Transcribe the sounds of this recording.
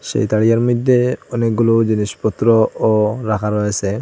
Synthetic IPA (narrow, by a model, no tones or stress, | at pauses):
ʃḛjt̪aɽijaɾmid̪ʱːeɔnek̚ɡulod͡ʑiniʃpɔt̪ːɾooɾakʰaɾɔet͡ɕʰe